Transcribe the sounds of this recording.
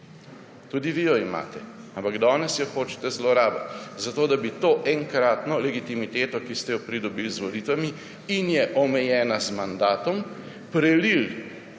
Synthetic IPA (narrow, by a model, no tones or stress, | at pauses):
t̪ud̪iʋijɔima̰ːt̪ɛampaɡd̪ɔːnɛsjɔxoːt͡ʃɛ̥t̪ɛzlɔɾaːbat̪zat̪oːd̪abit̪oːʔɛŋkɾaːt̪nɔlɛɡit̪imit̪eːt̪ɔkist̪ɛjɔpɾid̪ɔbilzʋɔliːt̪ʋami | injɛʔɔmɛjɛːnazmand̪aːt̪ɔm | pɾɛlil